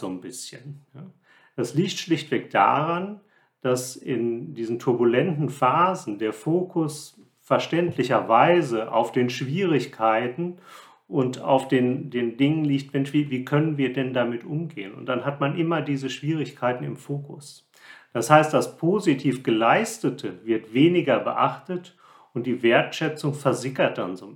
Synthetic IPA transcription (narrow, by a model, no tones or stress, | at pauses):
z̥oːnbɪsçənnə | d̥asliːçtʃlɪçtv̥ɛk̚d̥a̰ʁan | d̥asɪ̰ndiːzn̩tʰʊɐbulɛntn̩faːzn̩deːɐfoːkʰʊs | fɛɐʃtɛntʰlɪçɐvaɪzəʔa̰ʊfd̥eːnʃv̥iːʁ̞ɪçkʰaɪtn̩ | ʔʊnta̰ʊfd̥eːndeːndɪŋənliːçtv̥ɛnçv̥iːviːkʰœnənviːɐdɛndamɪtʔʊmɡeːənʊ̰nt̚d̥anɦatmanʔɪmɐdiːzəʃv̥iːʁ̞ɪçkʰaɪtn̩ɪ̰mfoːkʊs | d̥ashaɪst̚d̥aspʰoːzitʰiːfɡ̥əlaɪstətʰəvɪɐtveːnɪɡɐbə̰ʔa̰χtət | ʔʊnt̚d̥iːveːɐtʃɛt͡sʊŋfɛɐzɪkɐt̚d̥anzoː